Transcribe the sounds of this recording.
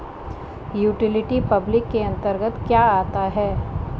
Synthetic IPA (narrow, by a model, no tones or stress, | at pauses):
juːʈɪlɪʈipɐblɪkːeɐ̃nt̪əɾɡət̪kjaaːt̪aɦɛː